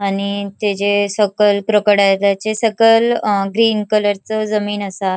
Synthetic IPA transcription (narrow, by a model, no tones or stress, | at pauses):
aɽ̃it̪ed͡ʑesəkəlpɾəkəɽalat͡sesəkəlɡɾiːnkələɾt͡səd͡zəmiːnəsa